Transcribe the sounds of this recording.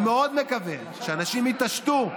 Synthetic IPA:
meo̞d̪mekaven | ʃeanaʃimit̪aʃt̪u

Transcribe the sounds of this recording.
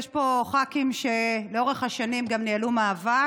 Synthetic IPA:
jeʃpo̞χakimʃe̞leoʁeχhaʃanimɡamnialumaːva

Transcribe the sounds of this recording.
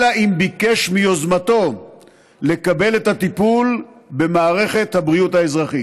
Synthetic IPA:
laʔimbike̞ʃmio̞zmat̪o̞ | le̞kabe̞le̞t̪hat̪ipulbe̞maːʁe̞χe̞t̪habʁiuthaezʁaχi

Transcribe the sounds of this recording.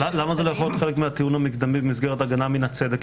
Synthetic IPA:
alamazelojaχojot̪χe̞lekmeat̪iunhamikd̪amibemisɡeʁet̪aɡanaminat͡sed̪ek

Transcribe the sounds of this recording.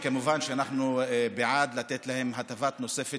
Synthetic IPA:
kamʊvaːnʃanaħnubɪʕaːd̪lat̪eːt̪lahɪmhat̪afaːt̪nʊsˤeːfɪ

